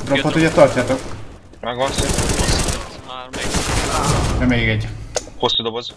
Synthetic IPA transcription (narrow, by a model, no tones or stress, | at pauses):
d̪ropːot̪uɟɛt̪ɒrcaːt̪ok | ɡn | ɛmeːɡɛɟhosːuːd̪